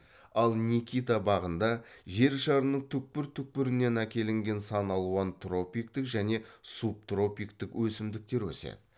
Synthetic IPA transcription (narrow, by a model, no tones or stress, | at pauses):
ɑlˠnʲikʲijt̪abɑʁənd̪ɑʒe̞ɾʃɑɾənəɴt̪ʰʏk̚pɪɾt̪ʰʏk̚pɪɾɪne̞nækʲe̞lɪŋɡʲe̞nsɑnɑlˠuɑnt̪ro̞pʲijk̚t̪ɪkʒæne̞sup̚t̪ro̞pijkt̪ɪkwɵsɪmd̪ɪk̚t̪e̞ɾwɵ̰sḛd̪ɪ